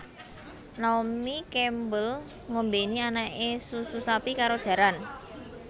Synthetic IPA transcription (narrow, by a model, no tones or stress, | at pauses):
naomikɛmbəl | ŋombenianaʔesususapikaɾod̥ʒ̥ä̤ɾan